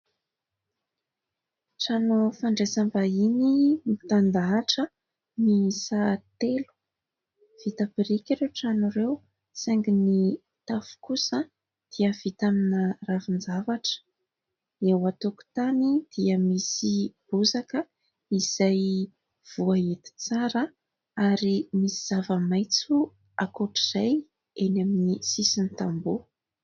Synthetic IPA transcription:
ʈ͡ʂanofaɳɖ͡ʐesambainimit̪and̪aːʈ͡ʂə | nisat̪elu̥ | v̥it̪apiɾikʲiɾewʈ͡ʂanuɾew | seŋɡini | t̪afu̥kusə | d̪̥iəvit̪aminəravind͡ʒavaʈ͡ʂə̥ | ewat̪oku̥t̪anid̪̥iəmisib̥uzakə | iz̥aj | v̥uaet̪i̥t͡saɾə | aɾimisiz̥avəmajt͡su | akoʈ͡ʂiz̥aj | enaminisisinit̪ambu

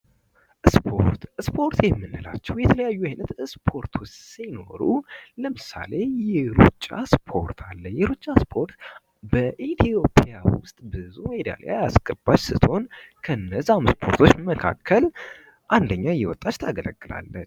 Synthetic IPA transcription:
ʔspʰoɾt̪spʰo̞ɾt̪jɛmːɨnːɨla̰t͡ʃːɛwjɛt̪ʰələjajːuajnət̪spʰo̞ɾt̪ʰʊt͡ʃsino̞̰ɾuləmɨsa̰le̞jɛɾut͡ʃʼːa̰spʰo̞ɾt̪ʰalːəjɛɾut͡ʃʼːaspʰo̞ɾt̪ | bəʔet̪ʰio̞pʰjawʊst̪ʼbɨzumed̪a̰la̰jasɡʼəbːat͡ʃsɨt̪ho̞nkʰəɨnːəzamspʰo̞ɾt̪ʰo̞t͡ʃːməkʰa̰kʰːəl | ʔand̪əɲːajːɛwɔt̪ʼːat͡ʃːt̪ʰaɡələ̰ɡːɨla̰lːət͡ʃː

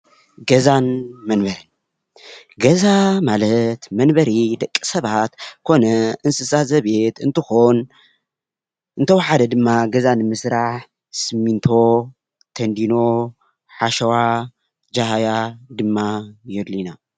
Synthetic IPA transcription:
ɡɐzanmɐnbɐɾɐn | ɡɐzamalɐt̪mɐnbɐɾid̪ɐkʼːi̥sɐβat̪kʰo̞nɐɨnsɨsazɐβe̞t̪ɨnt̪ʰɨxon | ʔɨnt̪ʰɐwaħad̪ɐd̪ɨmːaɡɐzanɨmɨsɾaħ | sɨmːint̪ʰo̞ | t̪ʰɐnd̪ino̞ | ħaʃɐwa | d͡ʒaɦajad̪ɨmːajɛd̪lina

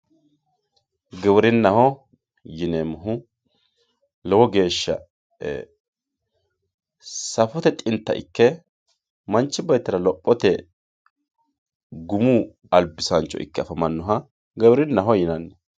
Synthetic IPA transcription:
ɡɛwɾɪnːɐhɔ | jɪneːmʊɦʊ | lɔwɔɡe̞ːʃːɐ̰ː | sɐfɔt̪ɛt̪ʼɪnt̪ːɐ̰ʔɪ̰kːɛ | mɐnt͡ʃːɪbɐjt̪ːɐɾɐlɔpʼːɔt̪ɛ | ɡʊmu | ɐlbɪsɐnt͡ʃːɔ̰ʔɪ̰kːɛɐfɐmɐnːɔɦɐ | ɡɛwɾɪnːɐɦɔjɪnɐnːɛ

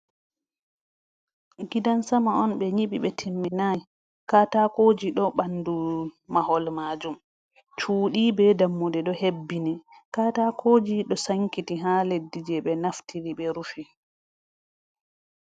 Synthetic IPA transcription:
ɡidansamaɔnɓɛɲiɓḭɓɛtʰimːinaj | katakoːd͡ʒiɗɔɓandumaɦɔlmaːd͡ʒum | t͡ʃuːɗibɛdamːudɛɗɔhebːinɛ | kaːtakʰoːd͡ʒiɗɔsaŋkitiɦaledːid͡ʒɛɓɛnaftʰiliɓɛɾufi

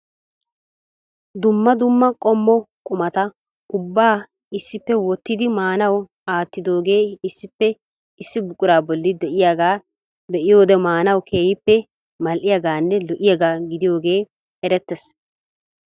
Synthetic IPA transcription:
d̪ʊmːɐd̪ʊmːɐkʼɔmːɔkʼʊmɐt̪ɐ | ʊbːaː | ɪsːɪpːɛwɔt̪ːɪd̪ɪmaːnɐw | aːt̪ːɪd̪o̞ːɡe̞ːɪsːɪpːɛ | ɪsːɪbʊkʼʊɾaːbɔlːɪd̪ɛʔɪjaɡaː | d̪ɛʔɪjo̞ːd̪ɛmaːnɐwkʰeːjɪpːɛ | mɐlʔɪjaɡaːnːɛlɔʔɪjaɡaːɡɪd̪ɪjo̞ːɡe̞ː | ɛɾɛt̪ːɛs

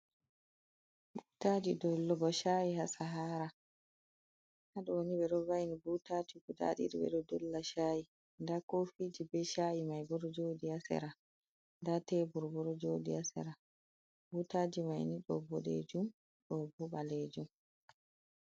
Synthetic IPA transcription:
butaːd͡ʒidɔlːɔɡɔʃaːjihasaɦaːɾa | haɗɔoniɓɛɗɔvajnibutatiɡuda̰ɗḭɾiɓɛ̰ɗɔdɔlːaʃaːji | ndakofiːd͡ʒibɛʃaːjimajbɔɾɔd͡ʒoːdiasɛ̰ɾa | ndatebuɾbɔɾɔd͡ʒoːdiasɛ̰ɾa | butaːd͡ʒimajniɗɔ̰bɔɗḛd͡ʒum | ɗɔbuɓaled͡ʒum

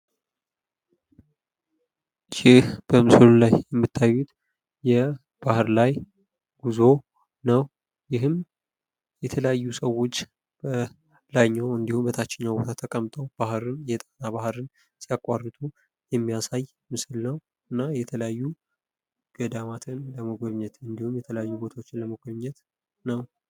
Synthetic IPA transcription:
jɪhb̥əmɨsɨlulajjɛmːɨt̪ʰːajːut̪ | jɛ | b̥ahɨɾlaj | ɡ̥uzo̞ | nəw | jɪɦɨm | jɛt̪ʰələjajːusəwːo̞t͡ʃː | bə | laɲːawɨnd̪ihumbət̪ʰat͡ʃːɛɲːabo̞t̪ʰat̪ʰəkʼəmt̪ʼəwb̥ahɾɨnjɛt̪ʼanabahɾɨn | siakʼwarːɨt̪ʰu | jɛmːijasaj | mɨsɨlnəw | ɨnːajɛt̪ʰələjajːu | ɡ̥əd̪amat̪ʰɨnləməɡʷəβɲːɛt̪ɨnd̪ihumjɛt̪ʰələjajːubo̞t̪ʰawot͡ʃːɪnləməɡʷoβɲːɛt̪ | nəw

